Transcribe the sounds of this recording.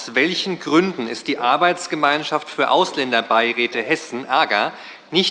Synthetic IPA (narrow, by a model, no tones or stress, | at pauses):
sv̥ɛlçn̩ɡʁʏndn̩ɪstd̥iːʔaɐbaɪt͡sɡ̥əmaɪnʃaftfyːɐʔaʊslɛndɐbaɪʁɛːtəhɛsn̩ʔɛɐɡɐ | nɪç